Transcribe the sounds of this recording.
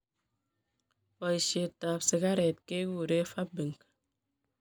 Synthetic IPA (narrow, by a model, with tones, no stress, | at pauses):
fɔ˨i˨ʃe˨taː˨psi˨ka˦ɾe˨t̚ke˦wu˨ɾe˦fa˦p̚bi˨ŋ˨k